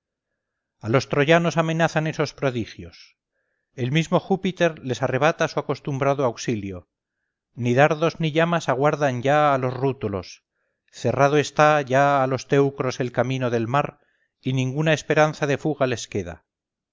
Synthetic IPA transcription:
alo̞st̪ɾo̞ʝano̞samẽ̞naθane̞so̞spɾo̞ðixjo̞s | e̞lmizmo̞xupit̪e̞ɾle̞sare̞β̞at̪asuako̞st̪umbɾaðoawksiljo̞ | niðaɾðo̞zniʎamasaɣwaɾðanɟ͡ʝaːlo̞srut̪ulo̞̰s | θe̞rað̞oe̞st̪aʝaːlo̞st̪e̞wkɾo̞se̞lkamĩno̞ðe̞lmaɾ | inĩŋɡunae̞spe̞ɾanθaðe̞fuɣale̞ske̞ða̰

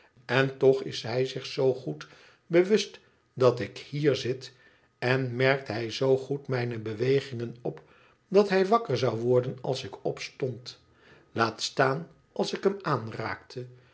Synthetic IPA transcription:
ɛntɔχɪ̰sɦɛjzɪχsowχut | bəʋɵst | dɑtɪkhiːɹzɪt | ɛnmɛɹk̚tɦɛjzowχutmɛjnəbəʋejχɪŋənɔp | dɑtɦɛjʋɑkəɹzɑwʋɔɹdənɑ̰lˠsɪkɔpstɔnt | laːtstaːn | ʔɑlˠsɪkɦəmaːnra̰ːktʰə

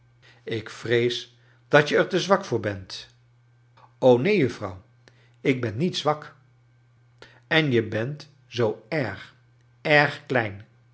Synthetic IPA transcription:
ɪkfrejs | d̥ɑtjəɛɹtəzʋɑkfʊːɹbɛnt | ownejɵfrɑ̰w | ɪɡ̚bɛnːitsʋɑk | ɛnjəbɛnt | zowɛɹχ | ɛɹχklɛjn

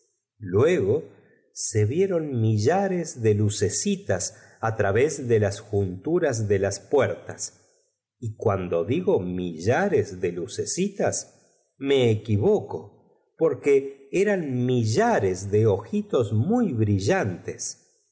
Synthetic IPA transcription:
lwe̞ɣo | se̞βje̞ɾo̞nmiʒaɾezðeluse̞sit̪as | at̪ɾaβezðelasxunt̪uɾazðe̞laspweɾt̪as | ikwand̪o̞ðiɣo̞miʒaɾezðe̞luse̞sit̪as | me̞ːkiβoko̞ | poɾkeeɾanmiʒaɾezðeoxit̪o̞smujβɾiʒant̪es

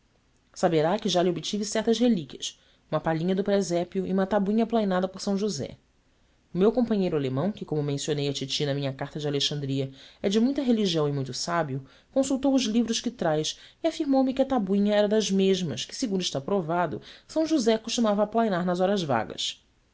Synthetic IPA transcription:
sabeɾakɪʒalɪobɪt͡ʃivɪsɛht̪ɐzɦelikʲiɐs | ũmɐpaʎĩɲɐd̪ʊpɾezɛpjʊḭũmɐt̪abuĩɲɐplajnad̪ɐpoɾsɐ̃w̃ʒuzɛ̰ | ʊmewkõpɐ̃ɲejɾʊalemɐ̃w̃kɪkõmʊmẽsionejɐt͡ʃit͡ʃinɐmĩɲɐkaɾt̪ɐd͡ʒɪaleʃɐ̃nd̪ɾiɐɛd͡ʒɪmũj̃t̪ɐɦeliʒiɐ̃w̃ɪmũj̃t̪ʊsabjʊ | kõsuwt̪owʊʒlivɾʊʃkɪt̪ɾajsiafiɾmowmɪkɪɐt̪abuĩɲɐɛɾɐd̪ɐzmeʒmɐ̰ʃkɪ̥sɪɡũnd̪ʊɪʃt̪avɐpɾovad̪ʊ̰sɐ̃w̃ʒuzɛkõʃt͡ʃinuavɐːplajnaɾnɐzɔɾɐzva̰ɡɐ̰s

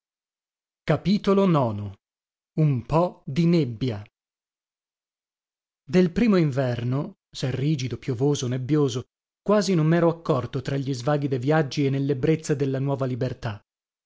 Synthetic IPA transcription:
kapiːt̪olonɔːno | umpɔd̪inebːja | d̪elpɾiːmoiɱvɛrno | sɛrːiːd͡ʒid̪opjovoːzonebːjoːzo | kwaːzinomːɛːɾoakːɔrt̪ot̪ɾaʎːizvaːɡid̪evjad͡ʒːienːelːebɾet̪sːad̪elːanwɔːvalibert̪a

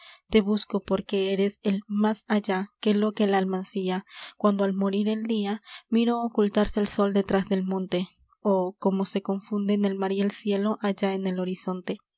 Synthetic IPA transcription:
t̪e̞βusko̞po̞ɾke̞eɾe̞selmasaʝake̞lo̞ke̞laːlmansiakwand̪oalmo̞ɾiɾe̞ld̪iamiɾoːkult̪aɾseːlso̞ld̪e̞t̪ɾazðe̞lmõ̞nt̪e̞ | oko̞mo̞se̞ko̞ɱfund̪ene̞lmaɾielsje̞lo̞ʔaʝae̞ne̞lo̞ɾiso̞nt̪e̞

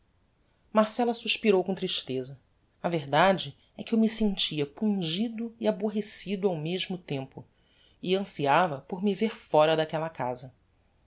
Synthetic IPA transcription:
maɾsɛlɐsuʃpiɾowkõt̪ɾiʃt̪ezɐ | ɐveɾd̪ad͡ʒɪ | ɛkɪewmisẽnt͡ʃiɐpũd͡ʒid̪ʊiaboɦesid̪ʊawmeʒmʊt̪ẽmpʊ | iɐ̃siavɐpoɾmiveɾfɔɾɐd̪akɛlɐkazɐ

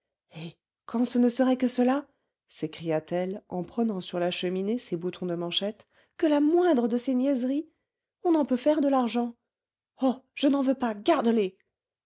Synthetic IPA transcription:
e | kɑ̃sənəsəʁɛkəsəla | sekχijat̪ɛlɑ̃pχənɑ̃syʁlaʃəminesebut̪ʰɔ̃d̪əmɑ̃ʃɛt̪ | kəlamwɛ̃d̪ʁəd̪əsenjɛzʁi | ɔ̃nɑ̃pøfɛʁd̪əlaʁʒɑ̃ | ɔʒ̥ənɑ̃vøpaɡaʁd̪əle

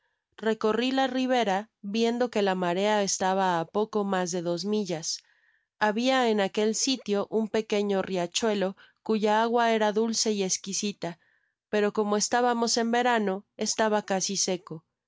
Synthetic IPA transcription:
re̞ko̞rilariβ̞e̞ɾaβje̞nd̪o̞ke̞lamaɾe̞ae̞st̪aβaːpo̞ko̞mazðe̞ðozmiʝas | aβiaenake̞lsit̪jo̞ʔumpe̞ke̞ɲorjat͡ʃwe̞lo̞ | kuʝaaɣwae̞ɾaðulse̞ie̞skisit̪a | pe̞ɾo̞ko̞mo̞e̞st̪aβamo̞se̞mbe̞ɾano̞e̞st̪aβakasise̞ko̞

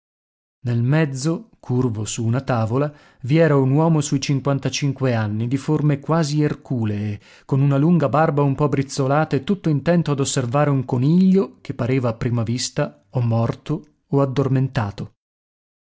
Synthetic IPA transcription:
nelmɛd̪zːokʰurvosuːnat̪aːvola | viɛːɾaunwɔːmosujt͡ʃiŋkwant̪at͡ʃiŋkweanːid̪iformekwaːzierkuːleː | kːonunaluŋɡabarbaumpɔbɾit̪sːolaːt̪aet̪ːut̪ːoint̪ɛnt̪oad̪osːervaːɾeuŋkoniʎːok̟epːaɾeːvaːpːɾiːmavist̪a | omːɔrt̪oː | ad̪ːorment̪aːt̪o

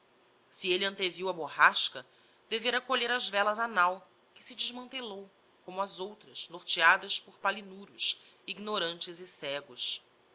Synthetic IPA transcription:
sieliɐ̃t̪eviwɐbohaʃkɐ | d̪̥eveɾɐkoʎeɾɐzvɛlɐzanaw | kɪ̥sɪd͡ʒɪzmɐ̃nt̪elow | kõmʊɐzowt̪ɾɐznoɾt͡ʃiad̪ɐspoɾpalinuɾʊʃ | iɡnoɾɐ̃nt͡ʃɪzɪsɛɡʊs

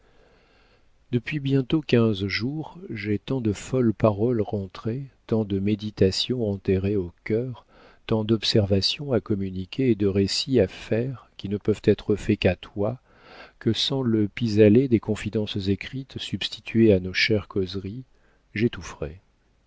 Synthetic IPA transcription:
d̪əpɥibjɛ̃t̪okʲɛ̃zʒuʁʒet̪ɑ̃d̪əfɔlpaʁɔlʁɑ̃t̪χet̪ɑ̃d̪əmed̪it̪asjɔ̃ɑ̃t̪eʁeokʲœʁ | t̪ɑ̃d̪ɔpsɛʁvasjɔ̃akɔmynikʲʰeːd̪əʁesiafɛʁkʲinəpœvt̪ɛt̪χəfɛkat̪wa | kəsɑ̃ləpizaled̪ekɔ̃fid̪ɑ̃szekχit̪sybst̪it̪ʰɥeanoʃɛʁkʰɔzʁi | ʒet̪ufʁɛ

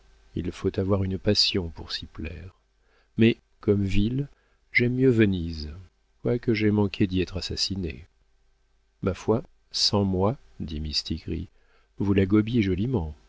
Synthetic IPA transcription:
ḭlfot̪avwaʁynpasjɔ̃puʁsiplɛ̰ʁ | mɛ | kɔmvil | ʒɛmjøvəniz | kwakəʒɛmɑ̃kʲʰed̪iɛt̪χasasinḛ | mafwa | sɑ̃mwa | d̪imist̪iɡʁḭ | vulaɡɔbjeʒɔlimɑ̃

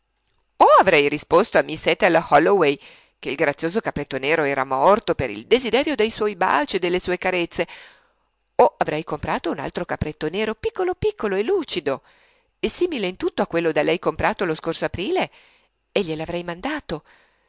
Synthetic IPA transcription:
oavɾɛjrispost̪oamːisɛt̪ːalhɔlowɛj | keilɡɾat̪sːjoːzokapːɾet̪ːoneːɾoɛːɾamɔrt̪opeɾḭld̪ezid̪ɛːɾjod̪ejswɔjba̰lt͡ʃed̪ːelːesuːekaɾet̪sːe | oavɾʔɛjkompɾaːt̪ouna̰lt̪ɾokapɾet̪ːoneːɾopikːolopikːoloelːuːt͡ʃid̪o | esiːmileint̪ut̪ːoakːwelːod̪alɛjkompɾʔaːt̪oloskorsoapɾiːle | eʎːelavɾɛjmand̪aːt̪o

